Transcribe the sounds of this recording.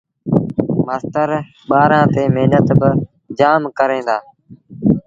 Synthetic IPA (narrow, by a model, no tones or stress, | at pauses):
maːst̪əɾ | ɓaːɾãːt̪eːmeːnət̪bɪ | d͡ʒaːmkəɾẽːnd̪aː